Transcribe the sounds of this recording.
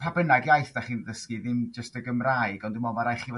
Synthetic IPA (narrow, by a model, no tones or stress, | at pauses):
pʰabənaɡjajθd̥aχiːnðəskɨðɪmd͡ʒəstəɡəmraːɨɡɔndumɔvaɾajχiv